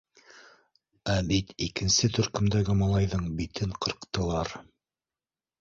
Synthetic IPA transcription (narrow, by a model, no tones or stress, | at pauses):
æbit̪ikɘ̆nsɘt̪ɵ̆ɾkɵ̆md̪æɡɘmɑlˠɑjðɤɴbit̪ɘɴqɤ̆ɾqt̪ɤ̆lˠɑɾ